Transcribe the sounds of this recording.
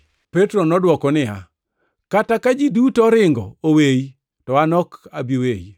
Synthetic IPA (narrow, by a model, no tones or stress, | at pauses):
petɾonɔdwɔkɔnɪa̰ | katakad͡ʒidutɔɾɪŋɡɔ̰oweji | tɔanɔkabiweji